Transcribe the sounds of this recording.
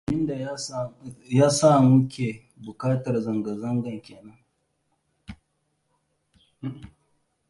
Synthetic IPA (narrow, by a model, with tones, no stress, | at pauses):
mɪ˦nda˨j | jaː˦sa˦˨mʊ˦kʲe˨ | bʊ˨kaː˦tɐ˨rzɐ˨ŋɡɐ˨zɐ˦ŋɡɐ˨ŋkʲeː˨nɐ˦ŋ˦˨